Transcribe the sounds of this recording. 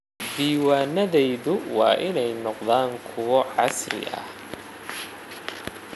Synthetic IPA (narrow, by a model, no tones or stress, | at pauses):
d̪iːwaːnɐðɛjðʊwɑ̰ːʔɪnɛjnɔqðaːŋkʰʊwɔʕɑsrɪ̰ʔɐ̰h